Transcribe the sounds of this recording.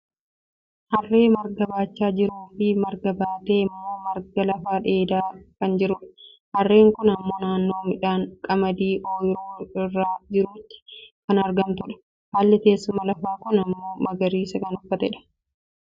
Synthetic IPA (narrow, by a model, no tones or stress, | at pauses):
hɐrːe̞ːmɐɾɡɐbaːt͡ʃːaːd͡ʒɪɾuːfɪmɐɾɡɐbaːt̪eːɪmːoːmɐɾɡɐlɐfaːᶑe̞ːd̪aːkɐnd͡ʒɪɾʊᶑɐ̥ | hɐrːe̞ːŋkʊnɐmːo̞ːnaːnːoːmɪᶑaːŋkʼɐmɐd̪iːʔoːjɾoːɪrːaːd͡ʒɪɾuːt̪ːɪ̥kɐnɐɾɡɐnt̪ʊᶑɐ̥ | haːlːɛt̪e̞ːsːʊmɐlɐfaːkʊnɐmːo̞ːmɐɡɐɾiːsɐkɐnʊfːɐt̪ɛᶑɐ̥